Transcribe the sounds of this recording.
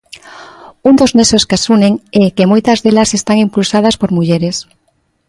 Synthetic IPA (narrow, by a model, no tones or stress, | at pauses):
und̪oznesoskasuneŋɛkemojt̪ɐzðelasest̪aŋimpulsað̞aspoɾmuʎeɾes